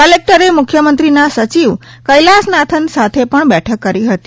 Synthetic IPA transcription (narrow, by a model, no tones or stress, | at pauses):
kəlek̚ʈəɾemʊkʰjəmənt̪ɾinasət͡ʃiʋ | kəjlasnat̪ʰənsat̪ʰepəɳbɛʈʰəkːəɾiɦət̪i̥